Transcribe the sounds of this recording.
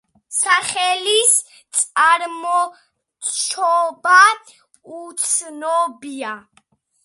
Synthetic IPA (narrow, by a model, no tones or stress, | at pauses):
saχɛlis | t̪sʼaɾmɔ | t͡ʃʰɔba | ut̪sʰnɔbia